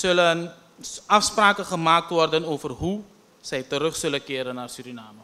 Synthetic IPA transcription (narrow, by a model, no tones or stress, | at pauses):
sɵlən | ɐfspraːkəχəmaːk̚tʋɔrdənoːvərɦu | sɛjtəɾɵχsɵlənkɪːɾənːaːrsyɾinaːmə